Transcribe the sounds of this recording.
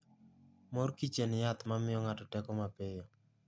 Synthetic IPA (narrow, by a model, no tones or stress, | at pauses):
moɾkit͡ʃenɪjat̪mamɪjɔŋatɔtɛkɔmapejo